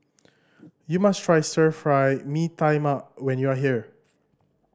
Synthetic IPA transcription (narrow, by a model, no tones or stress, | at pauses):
jumastʰɹajsəfɹajmitãɪmap̚wɛ̃njuaɦi